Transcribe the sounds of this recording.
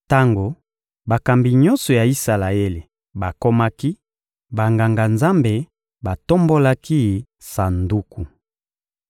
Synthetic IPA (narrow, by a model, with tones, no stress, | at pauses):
ta˦ŋɡo˨ | ba˨ka˨mbi˨ɲɔ˦nsɔ˨ja˨i˦sa˨la˨e˦le˨ | ba˨ko˦ma˦ki˦ | ba˨ŋɡa˨ŋɡa˨nza˦mbe˨ | ba˨to˦mbo˦la˦ki˦ | sa˨ndu˦ku˨